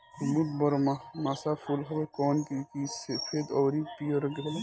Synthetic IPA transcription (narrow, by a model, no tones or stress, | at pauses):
umud̪bɐɾmamaːsaːfulɦɐbekɔːnkikiːsefʰeːd̪ɔːɾipiːoɾɡɾel